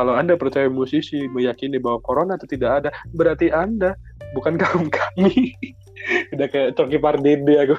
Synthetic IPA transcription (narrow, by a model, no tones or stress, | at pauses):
kalawandapəɾt͡ʃajamusisiməjakinibawakoɾonat̪ut̪idakadabəɾart̪iʔandabukankaumkʰḁmi | idakət͡ʃokipardediaku